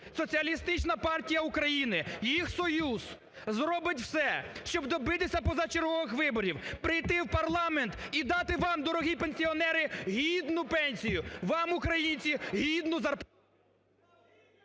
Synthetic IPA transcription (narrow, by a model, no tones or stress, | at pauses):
sɔt͡sʲiɐlʲist̪ɪt͡ʃnɐpɑrtʲijɐukɾɐjinɪjixsɔjuz̥ | zɾɔbɪtʲw̥sɛʃt͡ʃɔbd̪ɔbɪt̪ɪsʲɐpɔzɐt͡ʃeɾɦɔʋɪxʋɪbɔɾʲiwpɾɪjt̪ɪwpɐrlˠɑment̪id̪ɑt̪ɪʋɑmd̪ɔɾɔɦipenʲsʲiɔnɛɾɪɦʲid̪nʊpɛnʲsʲijʊʋɑmʊkɾɐjinʲt͡sʲiɦʲid̪nʊzɐrp